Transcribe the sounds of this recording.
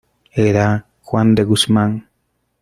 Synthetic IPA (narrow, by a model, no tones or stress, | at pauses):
eɾa | xwand̪eɣusmaŋ